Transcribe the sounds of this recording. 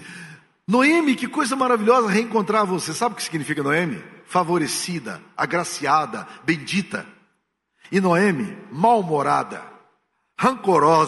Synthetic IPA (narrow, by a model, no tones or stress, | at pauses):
noẽmɪkɪkojzɐmaɾaviljɔzɐɦeẽŋkõnt̪ɾaɾvosesabɪʊkɪ̥siɡinifikɐnoẽmɪ̰favoɾesid̪ɐ̰a̰ɡɾasiad̪ɐbẽj̃d͡ʒit̪ɐ̰ | ɪnoẽmɪmawmoɾa̰d̪ɐ̰ | hɐ̃ŋkoɾɔz